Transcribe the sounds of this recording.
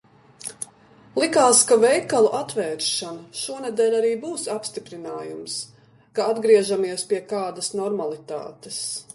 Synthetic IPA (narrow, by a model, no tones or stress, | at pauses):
lˠikaːskavɛjkalˠuʔat̪ʋɛːɾʃanaʃuɔnɛd̪ɛːʎʲaɾiːbuːsapst̪ipɾinaːjums | kaad̪ɡɾiɛʒamiɛspiɛkaːd̪ɐsnɔɾmalˠit̪a̰ːt̪es